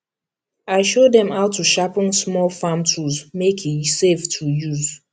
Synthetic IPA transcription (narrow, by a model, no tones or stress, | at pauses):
aɪʃodɛ̃maʊtʰːuʃapɪ̃nsmɔlfãmtʰuzmekiseftʰujuz